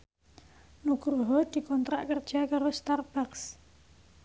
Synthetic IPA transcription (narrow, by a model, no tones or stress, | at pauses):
nukɾuɦɔd̪̥i̤kɔnt̪ɾaʔkərd̥ʒ̥a̤kaɾost̪arb̥aks